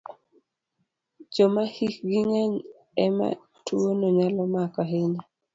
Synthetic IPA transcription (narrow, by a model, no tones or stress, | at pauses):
d͡ʒɔmahikɡɪŋɛɲ | ɛma̰ | tuonoɲalɔmakɔɦɪɲa